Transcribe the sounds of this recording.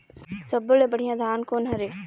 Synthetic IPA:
səbəlẽːbəɽ̤ijãːd̪ʱaːnkoːnɦəɾeː

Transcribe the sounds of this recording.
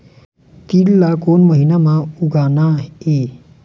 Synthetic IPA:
t̪inlakonməɦinamauɡanae

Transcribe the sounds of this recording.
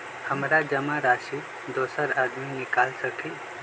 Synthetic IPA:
həmɾad͡ʒəmãɾaːʃi | d̪oːsəɾad̪minɪkalsəkʰi

